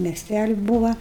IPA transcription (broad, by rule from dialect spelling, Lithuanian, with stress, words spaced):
mʲiɛˈsʲtʲælʲɪ ˈbuːʋɐ